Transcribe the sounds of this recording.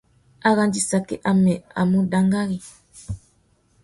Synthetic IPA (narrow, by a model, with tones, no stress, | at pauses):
a˦ɣa˦nd͡ʒi˦sa˨kɛ̰˦ʔa˨mɛ˨a̰˨mu˦da˦ŋɡa˦ɣi˨